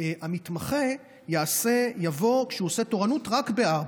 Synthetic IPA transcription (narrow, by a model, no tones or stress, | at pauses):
amit̪maχe | jaase̞javo̞kʃeuose̞to̞ʁanutʁakbe̞aʁb